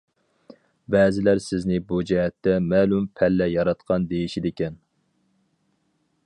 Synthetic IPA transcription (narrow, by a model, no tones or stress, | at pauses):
bɛːzɪlæɾsɪznɪbud͡ʒɛɦɛt̪ʰːɛmɛːlumpʰɛlːɛjɑɾɑt̪qʰɑnd̪ejiʃid̪ekʲɛn